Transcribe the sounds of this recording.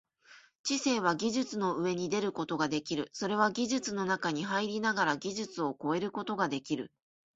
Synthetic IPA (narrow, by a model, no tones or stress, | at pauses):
t͡ɕise̞ːβ̞aɡʲiʑɨt͡sɨno̞ɯ̟e̞ɲ̟id̪e̞ɾɯ̟ko̞t̪o̞ɡad̪e̞kʲiɾɯ̟so̞ɾe̞β̞aɡʲiʑɨt͡sɨno̞nakaɲ̟iɦaiɾʲinaɡaɾaɡʲiʑɨt͡sɨo̞ko̞e̞ɾɯ̟ko̞t̪o̞ɡad̪e̞kʲiɾɯ̟̰